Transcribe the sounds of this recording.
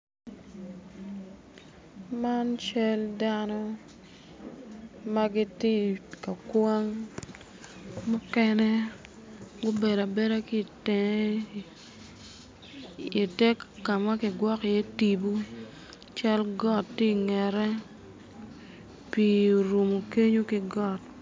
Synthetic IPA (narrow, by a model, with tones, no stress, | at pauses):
ma˦nt͡ʃa˦lda˦nɔ˦ | ma˦ɡɪ˦tɪ˦ka˨kwa˦ŋ | mʊ˦kɛ˦nɛ˦ | ɡʊ˦be˨da˨be˦ɾa˦ki˨t | i˨tɛ˦kːa˨ma˦kɪ˨ɡwɔ˦kjɛ˦ti˨bu˦ | t͡ʃa˦lɡɔ˦˨tːi˦ŋɛ˨ɾɛ˦ | pi˦˨ɾu˨mo˨ke˦ɲo˦kɪ˦ɡɔ˦˨t̚